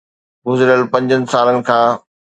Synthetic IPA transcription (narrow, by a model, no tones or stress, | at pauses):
ɡʊzɪɾəlpɐ̃ɲd͡ʑənɪ̆saːlənɪ̆kʰãː